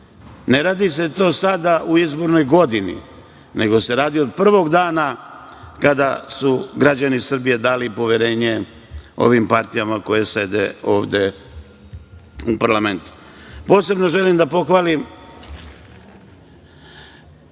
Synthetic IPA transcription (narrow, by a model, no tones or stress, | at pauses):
ne̞ɾaːd̪ise̞t̪o̞ːsad̪aʔuizbo̞ɾno̞jɡo̞d̪inḭ | ne̞ɡo̞se̞ɾaːd̪io̞d̪̚pr̩ʋo̞ɡd̪aːna | kad̪asuɡɾad͡ʑanisr̩bije̞d̪aːlipo̞ʋjeɾe̞ːɲe̞ | o̞̰ʋimpaɾt̪ijamako̞je̞se̞d̪ḛo̞̰ːʋd̪e̞ | upaɾlame̞nt̪u̥ | po̞ːse̞bno̞ʒe̞limd̪apo̞xʋaːlim